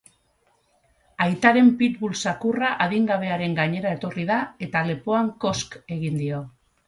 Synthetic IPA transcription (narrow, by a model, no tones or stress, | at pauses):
ajt̪aɾe̞mpit̪βulsakuraʔaðiŋɡaβ̞e̞aɾe̞ŋɡaɲe̞ɾae̞t̪o̞rið̞ae̞t̪ale̞po̞aŋko̞ske̞ɣind̪io̞